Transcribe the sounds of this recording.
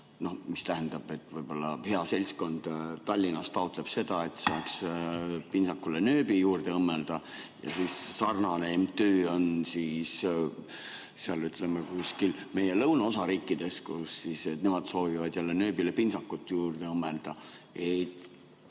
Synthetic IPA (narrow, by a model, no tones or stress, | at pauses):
no̞hmist̪æɦænd̪̥ɑb̥e̞t̪ːˑvɤjb̥o̞lːɑhe̞ɑse̞lʲsko̞nd̪̥t̪ɑlʲːinɑst̪ɑot̪ˑle̞b̥se̞d̪̥ɑe̞t̪ːˑsɑːks | pinsɑkːulenø̞ːbijuːrd̪̥e̞ɤmːe̞ld̪̥ɑjɑ̰siːssɑrnɑnemt̪øːo̞nsis | seɑlyt̪le̞mekuskilme̞je̞lɤwnɑosɑɾiːkːˑid̪̥e̞skusːiset̪ne̞mɑd̪̥so̞ːvivɑd̪̥jælːenø̞ːbilepinsɑkːut̪ːˑjuːrd̪̥e̞ɤmːeld̪̥ɑ | ejt̪